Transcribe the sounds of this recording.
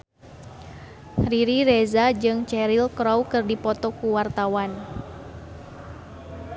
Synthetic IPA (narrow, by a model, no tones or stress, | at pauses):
riɾiɾɛzad͡ʒɨŋt͡ʃɛɾilkɾɔwkɨrdipɔt̪ɔkuwart̪awan